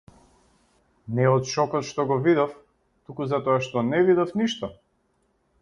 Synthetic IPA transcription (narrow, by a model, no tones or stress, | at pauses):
nɛɔt̪ʃɔkɔt̪ʃt̪ɔɡɔvid̪ɔf | t̪ukuzat̪ɔaʃt̪ɔnɛvid̪ɔfniʃt̪ɔ